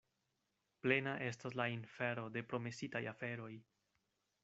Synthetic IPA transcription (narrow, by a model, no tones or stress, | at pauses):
ple̞naʔe̞stas̬lainfeɾo̞de̞pɾo̞me̞sitajafe̞ɾo̞j